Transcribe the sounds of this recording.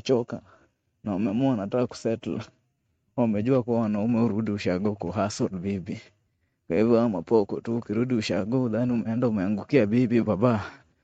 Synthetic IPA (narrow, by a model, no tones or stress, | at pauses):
t͡ʃɔka | naomɛmɔanataku̥sɛtl | aumɛd͡ʒuakuwanaumɛuɾudiuʃaɡɔkɔɦasɔlbibi | kwaivjɔamapɔkɔtuːkiɾudiuʃaɡɔuðaniumɛɛndaumɛaŋɡukiabibibaba